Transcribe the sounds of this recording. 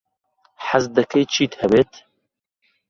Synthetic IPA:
ħazd̪ɐkejt͡ʃʰiːt̪hɛbeːt̪

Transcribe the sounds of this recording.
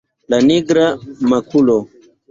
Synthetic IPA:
laniɡɾamakulo

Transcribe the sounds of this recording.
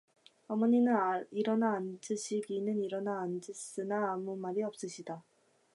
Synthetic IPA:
amʌɲinɯniɾʌnaːnd͡ʑɯɕʰiɡinɯniɾʌnaːnd͡ʑɯs͈ɯnaːmumaɾiʌp̚s͈ɯɕʰida

